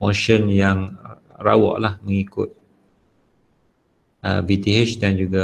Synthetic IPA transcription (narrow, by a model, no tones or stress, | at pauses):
moʃənjaŋ | ra̰wɔ̰ʔlahmə̃ŋikʊ̰t̪̚ | ʔə̰vit̪iet͡ʃdand͡ʒuɡa